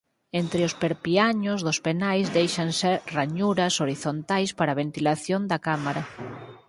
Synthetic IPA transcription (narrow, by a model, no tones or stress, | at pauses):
ent̪ɾɪʊspeɾpiaɲʊzðospenajzd̪ejʃanseɾraɲuɾɐsoɾiθont̪ajspaɾaβent̪ilaθjond̪akamaɾa